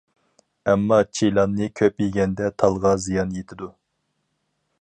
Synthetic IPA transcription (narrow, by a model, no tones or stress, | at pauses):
ɛmːɑt͡ʃʰijlˠɑnːɨkʲʰøpjiɡʲɛnd̪ɛt̪ʰɑlˠʁɑzijɑnjet̪ʰɪd̪u